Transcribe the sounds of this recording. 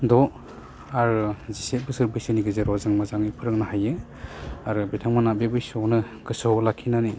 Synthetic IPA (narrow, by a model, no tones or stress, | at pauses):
dɔ | aɾziset̚bɯsɯɾbɯjsɯniɡɯzeɾɔzaŋmazaŋipʰɯɾɯŋnahajɯ | aɾɯbɾitʰaŋmanabebɯjsɔwnɯ | ɡɯsɔlakʰːinani